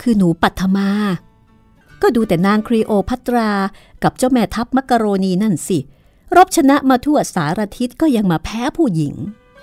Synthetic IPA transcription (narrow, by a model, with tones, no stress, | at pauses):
kʰɯː˧nuː˩˦pa˨˩t̪ʰːa˧maː˧ | kɔː˥˩duː˧t̪ɛː˨˩naː˧ŋkʰɾiː˧ʔoː˧pʰa˦˥t̪ɾaː˧ka˨˩p̚t͡ɕo˥˩mɛː˧t̪ʰa˦˥p̚ma˦˥kːa˧ɾoː˧niː˧na˥˩nsi˨˩ | ɾo˦˥p̚t͡ɕʰa˧na˦˥ʔmaː˧t̪ʰu˥˩ɐsaː˩˦ɾa˧t̪ʰi˦˥t̪̚kɔː˥˩ja˧ŋmaː˧pʰɛː˦˥pʰuː˥˩ji˨˩˦ŋ